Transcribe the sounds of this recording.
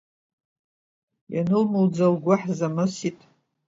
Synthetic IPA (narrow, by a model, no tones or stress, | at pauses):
janɨlmɨld͡zalɡʷaħzamɨsitʼ